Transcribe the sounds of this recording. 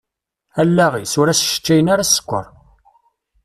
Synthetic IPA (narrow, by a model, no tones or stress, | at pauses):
ælːæʁisʊɾæsʃə̥t͡ʃːæjənaɾasə̥kʷːə̰ɾˤ